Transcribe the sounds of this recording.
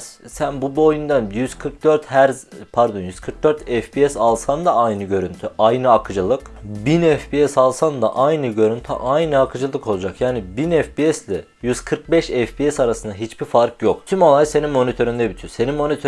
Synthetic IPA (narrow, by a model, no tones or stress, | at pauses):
sænbubojund̪anjyz̥kʰɯɾk̚d̪øɾt̪hæɾzpʰaɾd̪o̞njyz̥kʰɯɾk̚d̪øɾt̪ʰɛfpʰiɛsalˠsand̪aajnɯɟø̞ɾynt̪ʰyʔajnɯakʰɯd͡ʒɯlˠɯkbinɛfpiɛsalˠsand̪a̰ʔajnɯɟø̞ɾynt̪ʰy̰ʔajnɯakʰɯd͡ʒɯlˠɯkʰo̞lˠud͡ʒakjaːnibinɛfpiɛsd̪ʲɛ | jyzkʰɯɾk̚bɛʃɛfpiɛsaɾasɯnd̪aɦit͡ʃbiɾfaɾkjo̞k̚t̪ʰymo̞lˠajse̞nimmo̞nit̪ʰø̞ɾynd̪ɛbit̪ʰyse̞nimmo̞nit̪ʰø